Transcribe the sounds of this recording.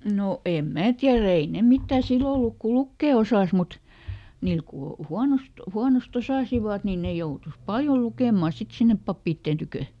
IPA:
no em mæː tiæræ ei ne mitːæˑ silːo oluk ku lukːeˑ osɑˑs mut niːl ku huɑnost huɑnost osɑˑsiʋɑt ni ne joutus pɑljo lukeˑmɑ sit sinːep pɑpːiːtːeːn tykø

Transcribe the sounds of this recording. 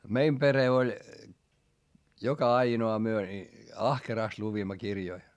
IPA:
meim pere olʲ jokɑ ɑinoɑ myø ni ɑhkerɑˑst luʋimːɑ kirjoi

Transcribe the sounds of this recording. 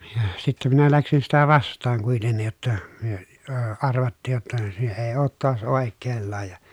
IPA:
jɑ sitːɛ minæ læksin sitæ ʋɑstˑɑːŋ kuitenːij jotːɑ myø əː ɑrʋɑtːiːj jotːɑ se eː oːt toɑs oˑekːeːlːɑːj jɑ

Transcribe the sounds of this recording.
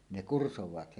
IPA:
ne kursowɑːt

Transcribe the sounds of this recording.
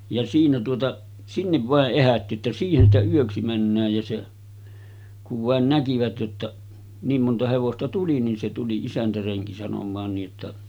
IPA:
jɑ siːnæ tuotɑ sinːeʋ ʋɑˑeʔ ʔehætːi etːæ siːhen stæ yøksi mænːæːj jɑ se kuʋ ʋɑˑen nækiʋæt jotːɑ niːm montɑ heʋostɑ tuli nin se tuli isæntæreŋki sɑnomˑɑːn niːʔ ʔetːæ

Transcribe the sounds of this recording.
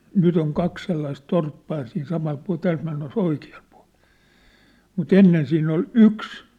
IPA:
nyt oŋ kɑk selːɑis torpːɑː jɑ siːn sɑmɑl puɑ̝l tæːlt menːes oikiɑl̥ pu̥ɑ̝l̥ mut enːen siːnː ol yks

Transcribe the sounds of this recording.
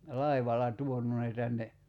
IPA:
lɑiʋɑlɑ tuonu ne tænːe

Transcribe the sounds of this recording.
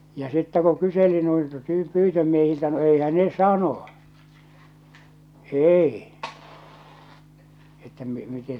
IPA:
jɑ sitːæ ku kyseli nuiltɑ tyː pyːtømiehiltæ no eihæn ne sɑno eˑi etːæ mi mite

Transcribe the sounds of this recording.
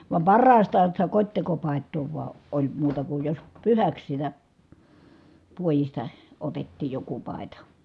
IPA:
ʋɑm pɑrːɑːstɑːn̞ sitæ kotʲtekopɑˑetˑoː ʋuɑ olʲ muːtɑ kuj jos pyhæks sitæ puojistɑ otetːiːj joku pɑˑi̯tɑ

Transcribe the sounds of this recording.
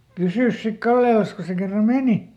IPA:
pysyˑs sik kɑlːelɑs ko se kerːɑ meˑni

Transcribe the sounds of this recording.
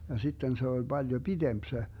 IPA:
jɑ sitːen se olʲ b̥ɑljo b̥id̥emp se

